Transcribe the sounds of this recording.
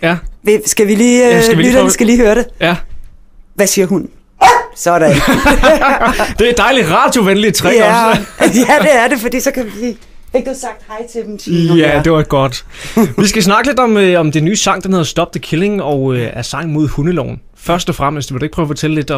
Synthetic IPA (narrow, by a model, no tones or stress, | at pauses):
jæʋe̝sɡ̥æʋiliːsidɐsɡ̥æliːhøːɐɾejæ | ʋæsiːɐɦun | sɒɾ̥e | d̥e̝ɐed̥ɑ̈ɪlid̥ʁɑ̈d̥jo̝ʋenlit͡sʰʁɛɒsjæ̥e̝æɐdefɒd̥ḭːsɒ̽kʰæʋiiː | feɡ̥̚d̥usɑ̈ɡ̥̚d̥hɑɪt͡sʰed̥m̩t͡sʰiæd̥eʋɑɡ̥ɒd̥ | ʋisɡ̥æs̬nɑ̈ɡ̥əle̝d̥ɒ̽mɒ̽md̥enyːsɑ̈ŋ̰d̥ænhe̝ðˠsd̥ɒ̽b̥̚d̥əkʰele̝ŋ̩ɒ̽ʊøæɐsɑ̈ŋ̰mo̝ð̞̰ˠhunəlɒ̰ʊ̰n̩ | fɶɐsd̥ɒfʁam̰sd̥uʋed̥ueɡ̥̚pʰʁœːʊfɒ̽t͡sʰeləle̝d̥